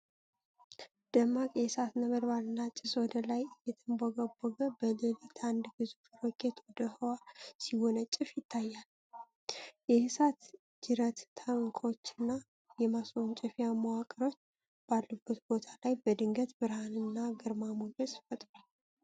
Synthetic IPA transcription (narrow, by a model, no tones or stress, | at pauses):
d̪̥əmːakʼjɛsat̪nəməd̪balɨnːat͡ʃʼɪswɔd̪əlajjɛt̪ʰɨmboɡəbːoɡəbəlelit̪ʰand̪ɡɨzufɾokʰet̪wɔd̪əhəwasiho̞nət͡ʃʼːɪfjɪt̪ʰːajːal | jɛhɨsat̪ | d͡ʒɪɾət̪ːʰaŋkʰo̞t͡ʃːɪnːa | jɛmaswont͡ʃʼɛfjamawakʼəɾo̞t͡ʃː | b̥alːəfbət̪b̥o̞t̪ʰalajbəd̪ɨŋɡət̪bɨɾhanɨnːaɡɨɾmamoɡəsfət̪ʼɾal